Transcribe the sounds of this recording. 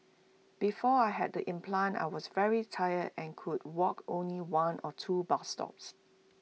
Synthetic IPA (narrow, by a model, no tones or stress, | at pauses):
b̥ifɔajɦɛ̰d̚dəʔɪ̃mpʰlãna̰ɪwɔsvɛɹitʰaɪədɛ̃nkʰud̚wɔkõnliwãnʔɔtʰubastɔ̰ps